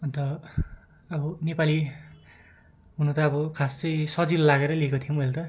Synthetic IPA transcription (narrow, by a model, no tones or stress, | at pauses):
ʌnt̪ʌ | ʌbʌnepali | ɦunut̪ʌːbʌkʰast͡sʌjsʌd͡zillaɡeɾʌliekot̪ʰijomelt̪ʌ